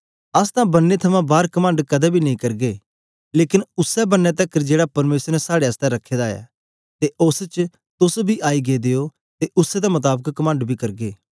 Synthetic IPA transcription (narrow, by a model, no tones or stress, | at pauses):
ɐst̪ãbɐnːet̪ʰɐmãbaːɾkɐmə̃ːɳɖkɐd̪ɛbʱinɐĩkɐɾɡeː | leːkɪnʊsɛbɐnːɛt̪̬ɐkd͡ʒeːɽapɐɾmeːsəɾnɛsaːɽeəst̪ɛɾɐkʰːeːd̪aːja̰ː | t̪eʔʊst͡ʃ | t̪ʊsbʱiʔaːiɡed̪eːo | t̪eʔʊsɛd̪amɐt̪̬aːbəkːɐmə̃ːɳɖbʱiːkɐɾɡeː